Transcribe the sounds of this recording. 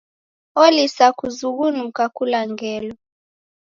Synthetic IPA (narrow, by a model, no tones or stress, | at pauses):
olisakʰuzuk̬unuk̬ʰʼakʰulaŋɛːlɔ